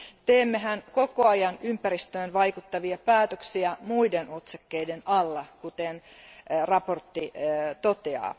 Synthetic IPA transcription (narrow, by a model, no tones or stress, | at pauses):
t̪eːmːeɦænko̞koɑjɑnympæɾist̪øːnʋɑikut̪ːɑʋiɑpæːt̪øksiæmuidenot̪sɑkːeidenɑlːɑkut̪enrɑport̪ːit̪ot̪eɑ̰ː